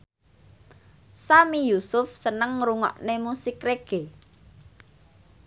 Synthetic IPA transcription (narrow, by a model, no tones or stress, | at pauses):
samijusʊfsənəŋɾuŋɔ̰ʔnemusɪkreɡ̥e